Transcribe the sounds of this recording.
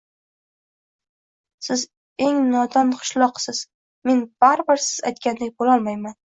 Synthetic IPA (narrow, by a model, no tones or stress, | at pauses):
sɪz | e̞ŋnɒd̪ɒnqʰɨ̥ʃlˠɒqsɪz̥ | me̞nb̥aɾbɪɾsɪz̥a̰jt̪kʲand̪ak̚ʲbolɒlˠmajman